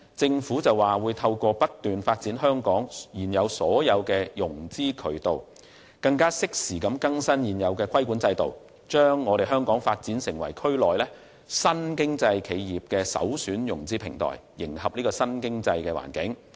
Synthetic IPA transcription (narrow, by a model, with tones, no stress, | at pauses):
t͡sɪ˧ŋfuː˨˥t͡sɐ˨waː˨wuː˨˧jt̪ʰɐ˧wkɔː˧pɐ˥t̚t̪yː˨nfaː˧t̚t͡siː˨˥nɦœː˥ŋkɔː˨˥ŋjiː˨˩njɐ˨˧wsɔː˨˥jɐ˨˧wkɛː˧jʊ˨˩ŋt͡siː˥kʰɵ˨˩ɥt̪o˨w | kɐ˧ŋkaː˥sɪ˥k̚siː˨˩kɐ˨˧mkɐ˥ŋsɐ˥njiː˨˩njɐ˨˧wkɛː˧kʰɐ˥jku˨˥nt͡sɐ˧jt̪o̰˨w | t͡ʃœː˥ŋːɔː˨˧ɾe˨jɦœː˥ŋkɔː˨˥ŋfaː˧t̚t͡siː˨˥nsɪ˨˩ŋwɐ˨˩jkʰɵ˥ɥlɔː˨jlɛː˥ | sɐ˥nkɪ˥ŋt͡sɐ˧jkʰe˨˧jjiː˨p̚kɛː˧sɐ̰˨˥wsyː˨˥njʊ˨˩ŋt͡siː˥pʰɪ˨˩ŋt̪ʰɔ̰ː˨˩jːɪ˨˩ŋhɐ˨p̚niː˥kɔː˧sɐ˥nkɪ˥ŋt͡sɐ˧jkɛː˧wa̰ː˨˩nkɪ˨˥ŋ